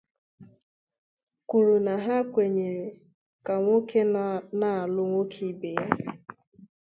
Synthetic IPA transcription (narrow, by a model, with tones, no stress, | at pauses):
kʷu˨ɾu˨na˨ɦa˦kʷe˨ɲe˨ɾe˨ | ka˨ŋʷo˦kʰe˦na˦a˨lʊ˦ŋʷo˦kʰi˦be˨ja˦